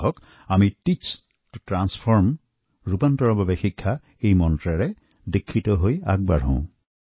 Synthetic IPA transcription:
ɦɔk | amiʈit͡ʃs | tuʈɹanspʰɔɹm | ɹupantɔɹɔbabexikʰːa | ejmɔntɹaɹe | dekʰːitɔɦoja̰ɡ̚baɹɔ̰̃

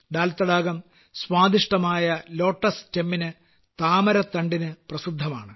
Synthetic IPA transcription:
d̪aːlt̪ːɐɽaːɡɐm | swaːd̪iʂʈɐmaːjɐlo̞ːʈːɐst͡ɕemːinɨ | t̪aːmɐɾɐt̪ɐɳɖinɨprɐsid̪ʱːɐma̰ːɳɨ

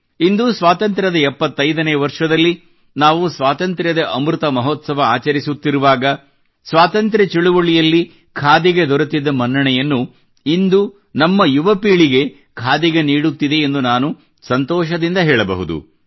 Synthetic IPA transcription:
ind̪usʋaːt̪ɐnt̪ɾɐd̪ɐɛpːɐt̪ːɐjd̪ɐnɛjɐʋɐɾʂɐd̪ɐlːi | naːʋusʋaːt̪ɐnt̪ɾjɐd̪ɐʔɐmɾut̪ɐmɐɦɔːt̪sɐʋɐaːt͡ʃɐɾisut̪ːiɾuʋaːɡɐ | sʋaːt̪ɐnt̪ɾɐt͡ʃiɭuʋoɭijɐlːi | kʰaːd̪iɡed̪ɔɾɐt̪id̪ːɐmɐnːɐɳɛjɐnːu | ind̪u | nɐmːɐjuʋɐpiːɭiɡe̞ | kʰaːd̪iɡeniːɽut̪ːid̪e̞ːnd̪unaːnu | sɐnt̪ɔːʃɐd̪ind̪ɐɦɛːɭɐbɐ̰ɦud̪ṵ

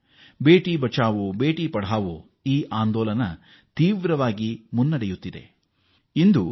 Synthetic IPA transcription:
be̞ːʈibɐt͡ʃaːʋube̞ːʈipɐɽaːʋu | iːʔaːnd̪ɔːlɐnɐ | t̪iːʋɾɐʋaːɡimunːɐɽejut̪ːid̪e̞̰ | ind̪u

